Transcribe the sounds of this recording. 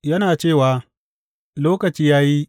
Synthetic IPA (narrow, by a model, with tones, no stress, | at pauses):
jɐ˦naː˨t͡ʃeː˦˨waː˨ | loː˦kɐ˨t͡ʃiː˦jaː˦ji˦